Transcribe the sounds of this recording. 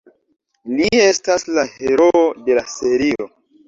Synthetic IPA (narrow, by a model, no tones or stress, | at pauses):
lie̞staslahe̞ɾo̞ode̞lase̞ɾio̞